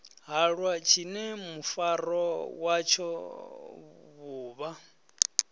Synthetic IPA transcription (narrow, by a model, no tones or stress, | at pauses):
ɦaɺwat͡ʃʰinɛmufaɾɔwat͡ʃʰɔ | βuːβa